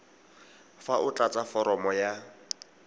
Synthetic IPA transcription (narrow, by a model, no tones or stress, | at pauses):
faʔʊt͡ɬʼat͡sʼafɔɾɔmɔja